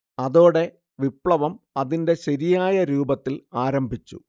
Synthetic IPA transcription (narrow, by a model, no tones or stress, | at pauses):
ɐðo̞ːɽe̞ | ʋipɭɐʋɐmɐðinde̞ɕɐɾijaːjɐɾuːbɐt̪ːilaːɾɐmbʱit͡ɕːṵ